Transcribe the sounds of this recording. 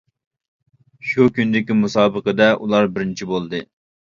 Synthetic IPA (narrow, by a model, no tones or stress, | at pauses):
ʃukʲynd̪ɪkʲimusɑːbəqəd̪ɛʔulˠɑɾbɪɾnt͡ʃʰibolˠd̪ɨ